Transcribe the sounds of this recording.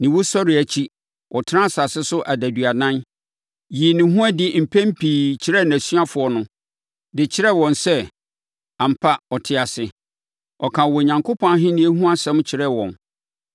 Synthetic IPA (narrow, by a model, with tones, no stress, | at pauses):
nɪ̃˨wo˦sɔ˦ɾɪ˨æ˨t͡ɕʰi˦ | wʔɔ˨tʰɪ˦ɾã˦˨sa˨sɪ˦sʊ˦ʔa˨dæ˨dɥa˨nã˦n | ji˨nɪ̃˨ɦũ˦æ˦dɪ˦˨m̩˨pʰæ̃˦m̩˦pʰiː˨t͡ɕʰɪ˨ɾɛ˦næ̃˨sɥa˦fʊ˨ɔ˨nʊ̃˦ | dɪ˨t͡ɕʰɪ˦ɾɛ˦wɔ̃˨nsɛ˦ | ã˨m̩˨pʰa˦ɔ˨tʰɪ˦a˨sɪ˨ | ɔ˨kʰã˨wɔ˨ɲã˨ŋkʰo˦pʰɔ̃˦a˦ɦɪ̃˦nĩ˦æ˦ɦũ˦a˦sɛ̃˦m˦t͡ɕʰɪ˨ɾɛ˦˨wɔ̰̃˨n